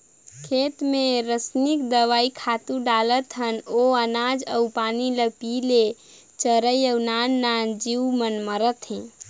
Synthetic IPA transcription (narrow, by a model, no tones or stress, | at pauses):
kʰet̪meɾəsnikd̪əʋaikʰat̪ũɖalət̪ɦənoənad͡ʒəwpaniləpile | t͡ʃəɾəjəwnanːand͡ʒiwmənməɾət̪ɦɛ̃